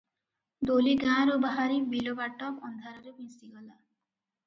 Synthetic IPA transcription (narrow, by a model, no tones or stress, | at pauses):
d̪oliɡãɾobaɦaɾibilobaʈːɔkɔnd̪ʱaɾɔɾebĩst̪iɡɔla